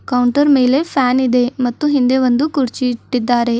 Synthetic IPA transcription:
kɐwɳʈɐɾmeːle̞pʰaːnid̪e̞mɐt̪ːuɦind̪e̞ʋɐnd̪ukuɾt͡ʃiʈːid̪ːaːɾe̞

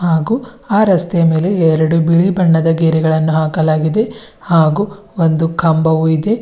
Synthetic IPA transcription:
haːɡuː | aːɾɐst̪ɛjɐme̞ːleɛɾɐɽubiɭibɐɳːɐd̪ɐɡeːɾiɡɐɭɐnːuɦaːkɐlaːɡid̪e̞ | haːɡuː | ond̪ukʰɐmbɐʋuid̪e̞

